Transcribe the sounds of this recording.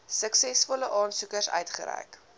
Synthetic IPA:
səksɛsfɔləʔɑːnsukəsœ̰ɥtχə̰ɾɛ̰jk

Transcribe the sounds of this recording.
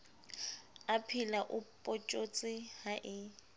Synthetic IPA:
apʰilaʔʊpʼot͡ʃʼot͡sʼɪhaʔɪ

